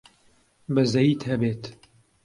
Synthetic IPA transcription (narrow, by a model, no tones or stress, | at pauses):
bɐzɐjiːt̪hɐbeːt̪